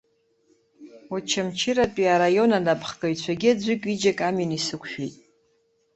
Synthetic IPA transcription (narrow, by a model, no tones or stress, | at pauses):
at͡ʃʰamt͡ʃʰɪɾatʼiaɾajo̞nanapʰχkʼaɥt͡ɕʷʰaɡʲiad͡ʑʷʏkʲʼid͡ʒakʼaminisɨkʷʰʃᶣitʼ